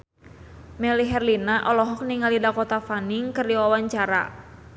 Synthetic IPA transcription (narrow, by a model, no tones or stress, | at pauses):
mɛliɦɛrlinaʔɔlɔɦɔk̚niŋalidakɔt̪afaniŋkɨriwawaɲt͡ʃaɾa̰